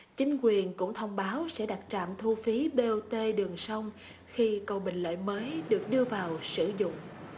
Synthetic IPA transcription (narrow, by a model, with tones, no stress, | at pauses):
t͡ɕï˨˦ŋ̟kwi˨˩ənkʊ̰˧˥ŋ͡mt̪ʰə˧wŋ͡mɓaː˨˦wsɛ̰˧˥ɗa˨˩t̚t͡ɕa̰ː˧˨mt̪ʰu˧fi˨˦ɓe˧ʔo˧t̪e˧ɗɨ˨˩əŋsa˧wŋ͡m | xi˧kə˨˩wɓï˨˩ŋ̟lə̰ː˧˨jməː˨˦jɗɨ˨˩ək̚ɗɨ˧əvaː˨˩wsɨ̰˧˩zʊ̰˧˨ŋ͡m